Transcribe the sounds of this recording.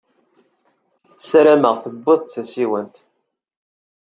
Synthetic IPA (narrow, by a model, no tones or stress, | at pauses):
θsɾæməʁθəbːɨðˤt̪θæsiwənt̪